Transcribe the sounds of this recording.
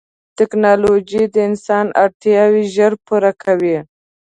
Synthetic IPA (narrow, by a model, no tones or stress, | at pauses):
t̪ɪknɑlod͡ʒid̪əɪnsɑna̰ɾt̪jɑwiʒəɾpuɾakʰawi